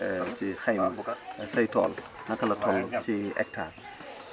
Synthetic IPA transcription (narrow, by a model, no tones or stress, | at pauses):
t͡ʃixɐjmɐsɐjtɔ̰ːl | nɐkɐlɐtʰɔlt͡ʃiʔɛ̰k̚tʰa̰ːn